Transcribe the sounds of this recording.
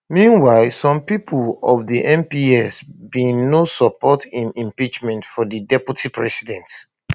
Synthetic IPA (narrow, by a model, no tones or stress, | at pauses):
mĩnwaɪlsɔ̃mpipʰlɔvðiʔɛ̃mpiɛsbinosɔpɔtĩnĩmpit͡ʃmɛ̃ntfɔdidɛpjutʰipʰɹɛ̰sidɛ̃nt